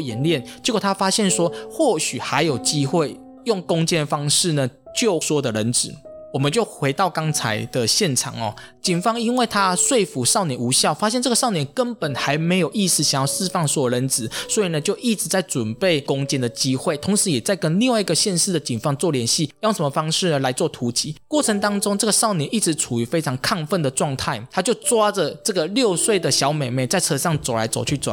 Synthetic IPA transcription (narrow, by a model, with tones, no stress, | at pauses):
jɛ˨˦˥nljɛ˥˩nt͡ɕɡt̪ʰa˥fa˥ɕjɛ˥˩nʂwɔ˥xwɔ˥˩ɕy˨˩xa˧˥ɪjo˨˩ʊt͡ɕi˦˥xwe˥˩ɪ | jʊ˥˩ŋkʊ˥ŋt͡ɕɛ˥nfɑ˥ŋʂɻ̩˥˨˩nə˩t͡ɕjo˥˩ʊswɔ˥d̪ə˨ɻə˧˦nt͡sɹ̩˨˩˦wɔ˨˩mə˨˦nt͡ɕjo˥˩ʊxwe˧˥ɪt̪ɑ˥˩ʊkɑ˥ŋt͡sʰa˧˥ɪd̪̥ə˨ɕjɛ˥˩nʈ͡ʂʰɑ̰˨˩ŋɔ̰˩ | t͡ɕi˨˩ŋfɑ˥ŋi˥nwe˥˩ɪt̪ʰa˦ʂwe˥˩ɪfu˨˥ʂɑ˥˩ʊnjɛ˨˩nu˧˥ɕjɑ˥˨ʊfa˦˥ɕjɛ˥˧nʈ͡ʂə˥˩ɡə˩ʂɑ˥˩ʊnjɛ˨˦nkə˦npə˨˩nxa˧˥ɪme˧˥ɪjo˨˩ʊi˥˧sɹ̩˧˩ɕjŋjɑ˥˧ʊʂɻ̩˥˧fɑ˥˧ŋswɔ˥˩lə˧˦nt͡sɹ̩˨˩˦swɔ˧˥i˨˩nə˦t͡ɕjo˥˧ʊʔi˥˩ʈ͡ʂɻ̩˧˥t͡sa˥˩ɪt͡swə˨˩npe˥˩ɪkʊ˧˥ŋt͡ɕɛ˥˩nd̪ə˨˩t͡ɕi˥xwe˥˩ɪt̪ʰʊ˧˥ŋʂɻ̩˧˦jɛ˨˩t͡sa˥˩ɪkə˦nli˥˧ŋwa˥˩i˥ɡə˨˩ɕjɛ˥˧nʂɻ̩˥˩d̪ə˩t͡ɕi˨˩ŋfɑ˥ŋt͡swɔ˥˩ljɛ˧˥nɕi˥˨jo˥˩ŋʂə˧˦mə˧fɑ˥ŋʂɻ̩˥˩ə˩la˧˥ɪt͡swɔ˥˩t̪ʰu˧˥t͡ɕi˨˥kwɔ˥˩ʈ͡ʂʰə˧˥ŋt̪ɑ˥ŋt͡sʊ˥ŋʈ͡ʂə˥˩ɡə˩ʂɑ˥˩ʊnjɛ˨˩nʔi˥˩t͡sɻ̩˧˥ʈ͡ʂʰu˨˩y˧˥fe˥ɪʈ͡ʂʰɑ˧˥ŋkʰa˥˧ŋfə˥˩nd̪ə˩ʈ͡ʂwɑ˥˧ŋt̪ʰa˥˩ɪt̪ʰa˥t͡ɕjo˥˧ʊt͡swa˥d͡zə˨ʈ͡ʂə˥˩ɡə˨ljo˥˧ʊswe˥˩ɪd̪ə˨ɕjɑ˧˥ʊme˨˩ɪme˨˥˦t͡sa˥˩ɪt͡sʰɤ˧˥ʂɑ˥˩ŋt͡so˨˩ʊla̰˧˥ɪt͡so̰˨˩ʊt͡ɕʰy˥˩t͡so̰˨